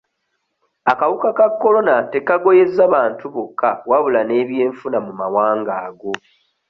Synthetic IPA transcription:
akawukakakːo̞lo̞nate̞kaɡo̞je̞zːaβaːntuβokʰːawaβulane̞ːβje̞ːɱfunamumawaːŋɡaːɡo̞

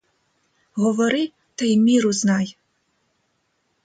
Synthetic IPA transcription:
ɦɔʋɔɾɪ | t̪ajmʲiɾʊznɑj

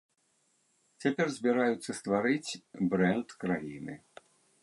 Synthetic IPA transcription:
t͡sʲapʲɛrzʲbʲiɾajut̪sːɐst̪vaɾɨt͡sʲbɾɛnt̪kɾajinɨ̰

